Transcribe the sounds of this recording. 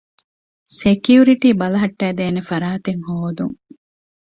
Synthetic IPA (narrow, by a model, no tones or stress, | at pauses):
sekjuɾiʈiːbɐlɐɦɐʈːæːd̪eːnefɐɾaːt̪eŋhoːd̪uŋ